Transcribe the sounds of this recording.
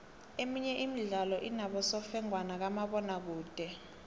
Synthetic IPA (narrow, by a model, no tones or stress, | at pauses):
emiɲɛʔimiɮalɔʔinaɓɔsɔfɛŋwanak̬amaɓɔnak̬uːd̥ʱɛ